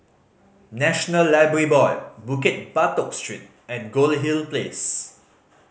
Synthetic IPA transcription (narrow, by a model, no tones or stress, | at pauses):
nɛʃɔnəlːaɪbəɹibɔɪbuket̚batɔk̚stɹḭt̚ | ɛ̃nɡolɦilples